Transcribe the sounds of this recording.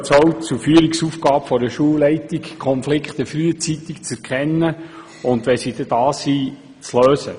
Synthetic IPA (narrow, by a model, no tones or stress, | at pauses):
t͡sɔwtt͡sufyːəɾiksufɡɑːpfɔɾəʃuəwlɛɪtikkʰχɔnflɪkχt̪əfɾyːət͡sit̪ikt͡sɛɾkʰɛnːə | ʊnd̪ʋɛsid̥̪ɛd̥̪ɑːsiː | t͡sløːsə